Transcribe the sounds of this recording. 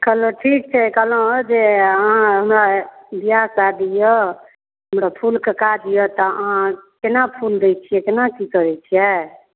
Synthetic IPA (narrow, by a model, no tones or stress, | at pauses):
kəloʈʰik̚t͡ʃʰɛkəlõd͡ʒeəɦãɦəmɾabijakad̪ijɔ | ɦəmɾapʰulkekad̪ijɔt̪ɔəɦãkenapʰuld̪ɛt͡ʃʰijɛkenakikəɾɛt͡ʃʰijɛ